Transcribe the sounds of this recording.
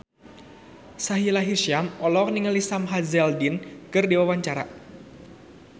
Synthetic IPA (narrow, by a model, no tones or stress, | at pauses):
saɦilaɦirʃiamɔlɔk̚niŋəlisamɦazɛldinkɨrdiwawaɲt͡ʃaɾa